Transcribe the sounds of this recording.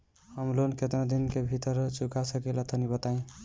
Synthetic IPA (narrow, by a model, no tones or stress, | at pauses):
həmlonket̪ɾãd̪inkebʱit̪əɾt͡ʃukasəkelat̪ʰənibət̪aĩ